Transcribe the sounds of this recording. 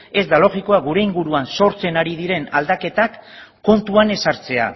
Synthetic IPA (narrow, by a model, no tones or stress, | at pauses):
e̞zd̪alo̞ɣiko̞aɡuɾe̞iŋɡuɾuanso̞ɾt͡se̞naɾið̞iɾe̞nald̪ake̞t̪akː | o̞nt̪uane̞saɾt͡se̞a̰